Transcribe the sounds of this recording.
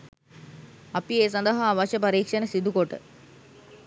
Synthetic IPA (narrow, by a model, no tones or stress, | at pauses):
ɐpieːsɐnd̪əɦaːʋɐʃəpɐɾiːkʂɐnəsid̪ukoʈə̰